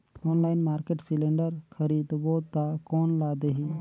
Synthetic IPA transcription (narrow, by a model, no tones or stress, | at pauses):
ɔːnlaːɪnmaːɾkeʈsileɳɖəɾxʰəɾiːd̪boːt̪akoːnlaːd̪eɦi